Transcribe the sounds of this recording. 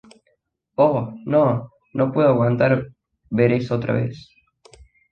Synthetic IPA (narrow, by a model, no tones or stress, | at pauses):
ono | nʔopweðoaɣwant̪aɾ | βeɾesot̪ɾa̰βḛs